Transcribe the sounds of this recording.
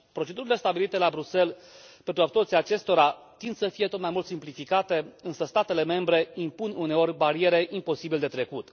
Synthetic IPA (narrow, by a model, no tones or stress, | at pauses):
pɾo̞t͡ʃe̞d̪uɾile̞st̪abilit̪e̞labɾuse̞l | pe̞nt̪ɾuapsrt̪siaːt͡ʃe̞st̪o̞ɾa | t̪ind̪̥səfije̞t̪o̞t̪majmult̪simplifikat̪e̞ɨnsəst̪at̪e̞le̞me̞mbɾe̞impunune̞o̞ɾʲbaɾie̞ɾe̞ʔimpo̞sibiled̪e̞t̪ɾe̞kut̪